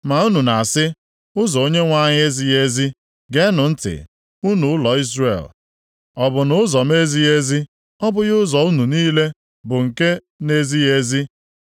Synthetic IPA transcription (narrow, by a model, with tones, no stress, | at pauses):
ma˨u˦nu˨na˨sɪ˦ | ʊ˦zɔ˨o˦ɲe˦ŋʷa˦ɲɪ˦e˦zi˦je˦zi˦ | ɡe˦nʊ˨n̩˦tɪ̰˨ | u˦nu˨ʊ˦lɔ˨i˦zrḛ˨l | ɔ˨bʊ˨nʊ˦zɔ˨me˦zi˦e˦zi˦ | ɔ˦bʊ˦ɣʊ˦zɔ˨u˦nu˨niː˦le˦ | bʊ˨ŋ̩˨ke˦ | ne˦zi˦e˦zi˦